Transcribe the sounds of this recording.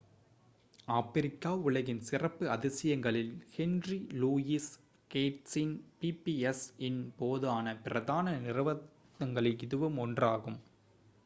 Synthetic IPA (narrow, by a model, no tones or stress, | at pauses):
aːpɪɾɪkːaːʊɭɐɣɪnsɪrɐpːɯɐðɪsɪjɐŋɡɐɭɪlhɛnriluːjis | keːʈsɪnpipiɛsɪnpoːðɯaːnɐpɪɾɐðaːnɐnɪɾɐʋɐ | ðɐŋɡɐɭɐɪɪðɯʋɯmɔndraːɣɯm